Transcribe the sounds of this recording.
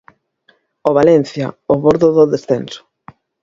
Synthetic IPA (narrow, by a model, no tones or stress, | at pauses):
oβalɛn̟θja̰oβɔɾðoðoðesθenso̥